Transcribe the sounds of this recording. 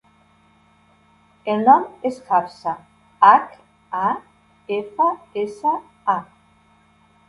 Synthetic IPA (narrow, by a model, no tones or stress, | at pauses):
elnɔmesxapsa | ak | a | efaesa | a